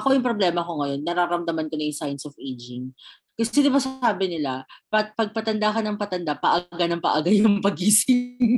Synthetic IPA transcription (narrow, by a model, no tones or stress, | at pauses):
ʔɐko̞jʊŋpɾoblɛːmɐko̞ŋɐjo̞nːɐɾaɾɐmd̪ɐmɐnkonɐjʊŋsajnsofejd͡ʒɪŋ | kɐsɪd̪ɪbɐsaːbɪnɪlapɐt̪̚pɐɡ̚pɐt̪ɐnd̪akɐnɐŋpɐt̪ɐnd̪apɐʔaɡanɐŋpɐ̰ʔaɡajʊŋpɐɡ̚iːsɪŋ